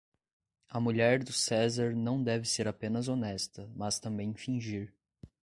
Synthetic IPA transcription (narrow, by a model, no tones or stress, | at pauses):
ɐmuʎɛɾd̪ʊsɛzaɾnɐ̃w̃d̪ɛvɪseɾapẽnɐzonɛst̪ɐmɐst̪ɐ̃mbẽj̃fĩʒiɾ